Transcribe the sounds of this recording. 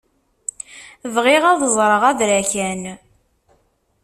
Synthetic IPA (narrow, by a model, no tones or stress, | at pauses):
vʁiʁaðˤəzˤɾˤəʁæðɾæçæn